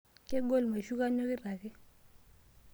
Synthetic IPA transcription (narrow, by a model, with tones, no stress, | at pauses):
kɛ˦ɡo˦˨lma˨ʃu˦ka˦ɲɔ˦kɪ˦ɾa˨kɛ˦